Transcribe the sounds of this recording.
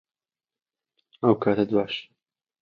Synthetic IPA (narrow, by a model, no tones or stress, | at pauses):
ɐwkʰaːt̪ad̪waːʃ